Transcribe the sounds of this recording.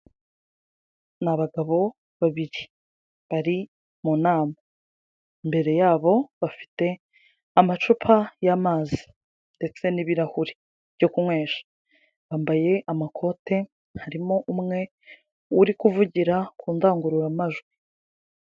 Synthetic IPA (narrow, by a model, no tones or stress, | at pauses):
naβaɡaβo̞ | βaβiɾi | βaɾi | muːnaːma | imbe̞ɾe̞jaːβo̞βafi̥te̞ | amat͡ʃupʰajamaːzi̥ | nde̞t͡se̞niβiɾahuɾi̥ | βjo̞kumwe̞ːʃḁ | βaːmbaje̞ʔamakʰo̞ːte̞ | haɾimo̞ʔumŋe̞ | uɾikuvuɟiɾakuːndaːŋɡuɾuɾamaʒɡwi